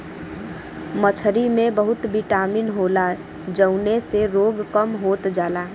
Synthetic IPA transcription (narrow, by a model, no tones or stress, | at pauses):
mət͡ʃʰəɾimẽbəɦʊt̪biʈaːminɦoːla | d͡ʒəʊneseɾoːɡkəmɦoːt̪d͡ʒaːlaː